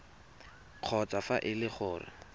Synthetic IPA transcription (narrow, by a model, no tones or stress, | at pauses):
q͡χʰɔt͡safaʔɪlɪχʊːrɪ̰